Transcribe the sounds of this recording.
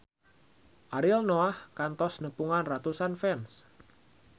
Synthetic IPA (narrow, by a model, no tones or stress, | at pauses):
ʔaɾilnoahkant̪ɔsnəpuŋanrat̪usanfɛns